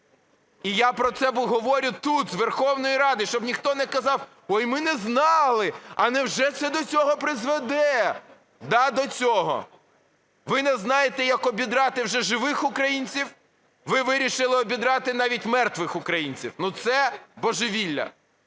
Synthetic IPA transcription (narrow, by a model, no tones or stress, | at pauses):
ijapɾɔt̪sɛbʊɦɔʋɔɾʲʊt̪ut̪zʋerxɔwnɔjiɾɑd̪ɪʃt͡ʃɔbnʲixt̪ɔnɛkɐzɑw | ɔjmɪnɛznɑlˠɪɐnɛwʒɛt̪sɛd̪ɔt͡sʲɔɦɔpɾɪzʋɛd̪ɛ | d̪ɑd̪ɔt͡sʲɔɦɔ̰ | ʋɪnɛznɑjet̪ɛjɐkɔbʲid̪ɾɑt̪ɪwʒɛʒɪʋɪxʊkɾɐjinʲt͡sʲiw | ʋɪʋɪɾʲiʃɪlˠɪɔbʲid̪ɾɑt̪ɪnɑʋʲitʲmɛrt̪ʋɪxʊkɾɐjinʲt͡sʲḭwnut̪sɛbɔʒɪʋʲilʲːɐ̰